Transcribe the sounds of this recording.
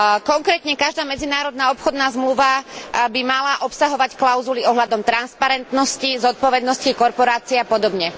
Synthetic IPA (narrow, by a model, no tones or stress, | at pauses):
kɔŋkɾɛːt̪ɲɛkaʒd̪aːmɛd͡zinaːɾɔd̪naːɔpxɔd̪naːzmluʋabimalaʔɔpsaɦɔʋacklaʊzuliɔɦlad̪ɔmt̪ɾanspaɾɛnt̪nɔscizɔt̪̚pɔʋɛd̪nɔscikɔɾpɔɾaːt͡siɛapɔd̪ɔbɲɛ